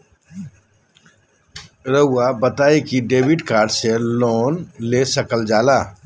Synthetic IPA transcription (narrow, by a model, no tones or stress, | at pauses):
ɾəɦʊabɐt̪aːekiɖeːbɪʈkaːɾɖseloːnleːsɐkəld͡ʒaːlaː